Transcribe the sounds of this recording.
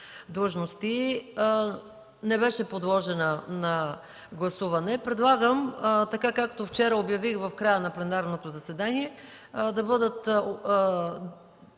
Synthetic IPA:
d̪lˠəʒnost̪i | nɛbɛʃɛpod̪lˠɔʒɛnənɐ | ɡlˠɐsuvɐnɛpɾɛd̪lˠaɡəmt̪ɐkakakːt̪oft͡ʃɛɾəobjɐvixvɐfkɾajənɐplɛnaɾnot̪ozɐsɛd̪aniɛ | d̪ɐbɤd̪ət̪

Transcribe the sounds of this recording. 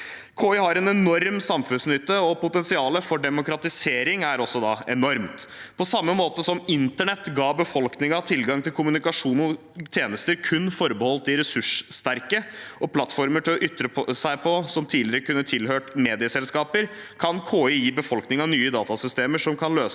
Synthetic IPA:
kʰoːʏɦɑɾɛnɛnɔɾmsɑmfʉnsnʏt̪ːəɔpʊt̪ɛnsɪɑːləfɔɖɛmʊkɾɑt̪ɪseːɾɪŋæɾɔsːɔd̪ɑɛnɔɾmt̪ | pʰɔsɑmːəmoːt̪əsɔmɪnt̪əɳɛt̪ːɡɑːbəfɔlknɪŋɑt̪ʰɪlɡɑŋt̪ʰɪlkʊmʉnɪkɑʂuːnɔ | t̪ʰjeːnəst̪əɾkʰʉnːfɔɾbəhɔlt̪ɪɾɛsʉʂst̪æɾkəɔpʰlɑt̪fɔɾməʈɪlɔʔʏt̪ːɾəpsæɪpʰɔsɔmt̪ʰiːlɪəɾəkʉnːət̪ʰɪlhøːʈmeːd̪ɪəsɛlskɑːpəɾ | kʰɑnkʰoːʏjiːbəfɔlknɪŋɑnyːəd̪ɑːt̪ɑsʏst̪eːməʂɔmkʰɑnløːs

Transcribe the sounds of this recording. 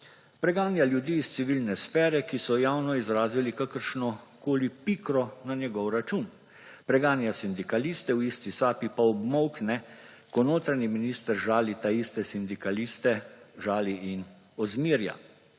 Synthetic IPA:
pɾɛɡaːnjaljud̪iːst̪siʋilnɛsfɛːɾɛkisɔjaːwnɔizɾaːzilikakəɾʃnɔkoːlipikɾɔnanjɛɡɔwɾat͡ʃun | pɾɛɡaːnjasind̪ikaliːst̪ɛwist̪isaːpipaɔbmɔwknɛ | kɔnoːt̪ɾaɲiminiːst̪əɾʒaːlit̪aist̪ɛsind̪ikaliːst̪ɛʒaːliʔin | ɔzmiəɾja̰

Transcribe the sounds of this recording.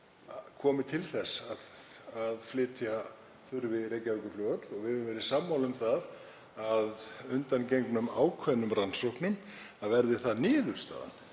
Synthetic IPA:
kʰɔːmɪt̪ʰɪlθɛsaðaðflɪːt̪ʰja | θʏɾvɪrejcavʏkʏɾflœːɣœt̪lɔɣvɪðʏʏmvɛɾɪsaːmːawlʏmθað | aðʏnt̪ancejŋknʏmaːwkʰvœnːʏmransowhknɪn | aðvɛɾðɪθaðnɪːðʏɾ̥st̪a̰ːða̰n

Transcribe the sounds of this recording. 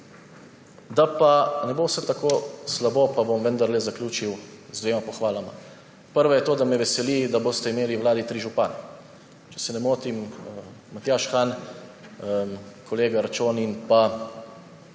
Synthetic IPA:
d̪apanɛboːwsɛt̪akoːslaboːpabomʋənd̪aɾlɛzaklʲjuːt͡ʃiwzd̪ʋeːmapɔxʋaːlama̰ | pəɾʋɔjɛt̪oːd̪amɛʋɛsɛlid̪aboːst̪ɛimeːliwlaːd̪it̪ɾiːʒupaːnɛ | t͡ʃɛ̥sɛnɛmoːt̪im | mat̪jaʃxan | kɔleːɡaɾat͡ʃoːninpa

